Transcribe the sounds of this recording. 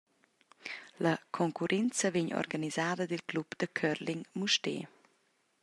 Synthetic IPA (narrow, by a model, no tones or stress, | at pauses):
ləkʰɔŋkuɾʔɛnt͡səveɲɔ̰rɡanizaːd̪əd̪ilklubd̪̥əkʰœɾliŋmuʃtḛː